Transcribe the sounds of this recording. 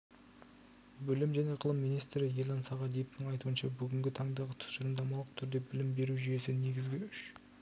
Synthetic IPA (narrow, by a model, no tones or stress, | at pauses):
bʏlɪmʒæne̞qʰəlˠəmːijnijst̪ɾɪjelˠɑnsɑʁɑd̪ijeft̪ɪŋɑjt̪uənʃɑbʏɡʲɪŋɡʲɪt̪ʰɑɴd̪ɑʁət̪ʰʊ̥sʒɑɾmd̪ɑmɑlˠəq̚t̪ʰʏɾd̪e̞bɪlɪmbe̞ɾuʒʏje̞sɪne̞ɡʲɪzɡʲɪʏʃ